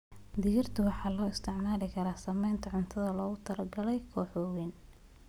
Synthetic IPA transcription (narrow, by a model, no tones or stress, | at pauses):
d̪ɪjɪrt̪ʰɐwɑħɑːlɔːɪst̪ʰɪʕmaːlɪkʰɐɾaːsɐmɛjnt̪ʰɐʕʊnt̪ʰɐðɐlɔːɣʊt̪ʰɐlɐɡɐlɛjkʰɔːħɔwɛn